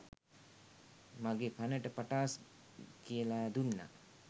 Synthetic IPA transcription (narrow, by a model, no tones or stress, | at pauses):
maɡepʰanəʈəpaʈaːs | kiəlad̪unːa̰